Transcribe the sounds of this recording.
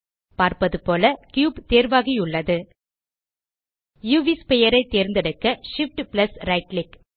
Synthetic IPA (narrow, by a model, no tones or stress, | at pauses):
paːɾpɐðɯpoːlɐkjuːbt̪eːɾʋaːɣiʊɭːɐðɯ | juːʋispɛjɐɾɐɪt̪ːeːɾnd̪ɐɽɯkːɐʂɪfʈplɐsɾɐɪʈlɪk